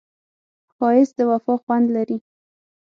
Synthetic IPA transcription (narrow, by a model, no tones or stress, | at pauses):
xɑjɪsd̪əwafɑxwand̪laɾi